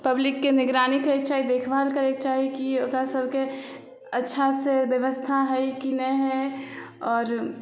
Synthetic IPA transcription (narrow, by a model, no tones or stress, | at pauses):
pəblɪkːenɪɡɾaːnikeːk̚t͡ʃaːɦid̪eːkʰbalkəɾeːkt͡ʃaːɦikiokasəbʱke | ɐtːʃʰasebjəʋəst̪ʰaɦɛikinɛɦɛ̃ | ɔːɾ